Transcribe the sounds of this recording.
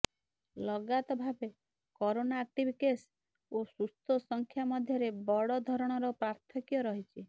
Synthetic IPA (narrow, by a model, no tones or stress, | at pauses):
lɔɡat̪ɔbʱabe | kɔɾonaːk̚ʈibʱikes | osust̪ɔsɔŋkʰjamɔd̪ʱjɔɾebɔɽɔd̪ʱɔɾɔɽ̃ɔɾɔpɾaɾt̪ʰɔkjɔɾɔɦit͡ʃʰi